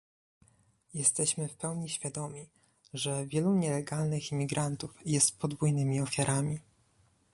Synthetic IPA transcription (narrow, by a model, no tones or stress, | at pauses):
jɛst̪ɛɕmɘfpɛwɲiɕfʲjad̪ɔmʲi | ʐɛvʲjɛluɲɛlɛɡalnɘximʲiɡɾant̪ufjɛst̪̚pɔd̪vujnɘmʲiɔfʲjaɾʔamʲi